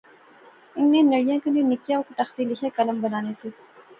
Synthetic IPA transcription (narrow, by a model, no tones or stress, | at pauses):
ɪnːenɐɽijãkɐnenɪkjaokt̪ɐxt̪ilɪkʰekɐləmbɐnaːnese